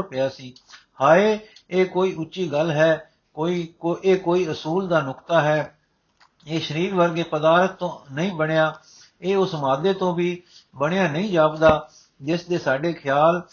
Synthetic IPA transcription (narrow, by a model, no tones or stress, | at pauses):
ɾpɪjaːsiː | haːeːeːkoːiːʊːʃiːɡəlɦɛː | koːiːkoʔeːkoːiːəsuːld̪aːnʊkt̪aːɦɛː | eːʃəɾiːɾʋəɾɡeːpəd̪aːɾət̪ːõːnəĩːbəɳ̃ejaː | eːʊsmaːd̪eːt̪õːbiː | bəɳ̃ejaːnəĩːd͡ʒaːpd̪aː | d͡ʒɪsd̪eːsaːɖeːkʰɪjaːl